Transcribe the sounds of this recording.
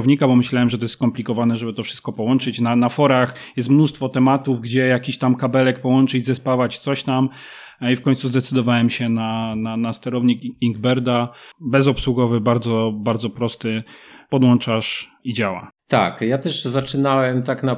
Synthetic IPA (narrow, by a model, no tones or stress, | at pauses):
vɲikabɔmɘɕlawɛmʐɛt̪ɔjɛsskɔmplʲikɔvanɛʐɛbɘt̪ɔfʂɘ̥st̪̚kɔpɔwɔnt͡ʂɘt͡ɕnanafɔɾaxjɛst̪mnust̪fɔt̪ɛmat̪uvɡd͡ʑɛjakʲiɕt̪amkabɛlɛkpɔwɔnt͡ʂɘd͡ʑzɛspavat͡ɕt̪sɔɕt̪am | ifkɔɲt̪suzd̪ɛt̪sɘd̪ɔvawɛmɕɛnananast̪ɛɾɔvɲikiŋɡbɛɾd̪abɛzɔpswuɡɔvɘbaɾd̪zɔbaɾd̪zɔpɾɔst̪ɘpɔd̪wɔnt͡ʂaʂid͡ʑawa̰t̪a̰kjat̪ɛʂzat͡ʂɘnawɛmt̪akna